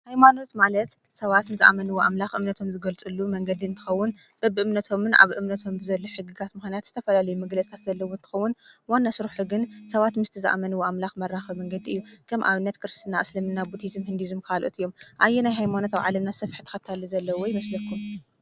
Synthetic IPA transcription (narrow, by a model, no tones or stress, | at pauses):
hajmano̞t̪malɐt̪ | sɐβat̪nɨzaʔa̰mɐnɨwoʔamlaxʔɨmnɐt̪ʰo̞mzɨɡɐlt͡sʼɨlːumɐŋɡɐd̪iɨnt̪ʰɨ̥xɐwːʊn | b̥ɐbɨʔɨmnɐt̪ʰo̞mɨnʔa̰βʔɨmnɐt̪ʰo̞mbɨzɐlːoħɨɡɨɡat̪mɨxnijat̪z̥ɨt̪ʰɐfɐlalɐjumɨɡlɐt͡sʼt̪ʰat̪zɐlːɐwont̪ʰɨ̥xɐwːʊnwanːasɨɾuħuɡɨnsɐβat̪mɨst̪ʰizɨʔa̰mɐnɨwoʔamlaxmɐɾːaxɐβmɐŋɡɐd̪iʔɨjːukʰɐmʔa̰βɨnːɐt̪kʰɨɾɨst̪ʰɨnːaʔslɨmɨnːabut̪ʰizɨmhɨnd̪izɨmkʰalʔot̪ɨjːo̞mʔajːɛnajɦajmano̞t̪aβʕalɐmnasɐfħɨt̪ʰɐ̥xɐt̪ʰalːizɐlːɐwɔjmɐslɐt̪um